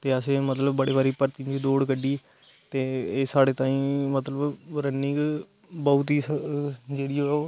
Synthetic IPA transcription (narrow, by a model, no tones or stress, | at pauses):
t̪eːəsẽːmət̪ləbbəɽeːbaːɾiːpəɾt̪ĩd͡ʒiːd̪oːɽkəɖiː | t̪eːeːsaːɽeːt̪ãːĩːmət̪ləbɾənɪ̃k | bɔːt̪iːd͡ʒeːɽiːooː